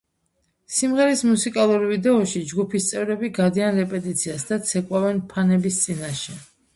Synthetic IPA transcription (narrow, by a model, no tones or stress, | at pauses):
simʁɛɾismusikʼalˠuɾivid̪ɛɔʃid͡ʒɡupʰist̪sʼɛvɾɛbiɡad̪ianɾɛpʼɛt̪ʼit̪sʰiasd̪at̪sʰɛkʼwavɛnpʰanɛbist̪sʼinaʃɛ